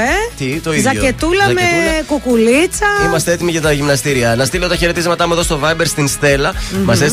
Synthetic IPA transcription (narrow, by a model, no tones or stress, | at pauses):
et̪it̪oizzɐoet̪ulɐmekokulit͡sɐimɐst̪e̞et̪imiʝɐt̪ɐʝimnɐst̪iɾiɐnɐst̪ileot̪ɐçe̞ɾe̞t̪izmɐt̪ɐmueðost̪o̞vɐjbe̞ɾst̪inst̪e̞lɐmɐses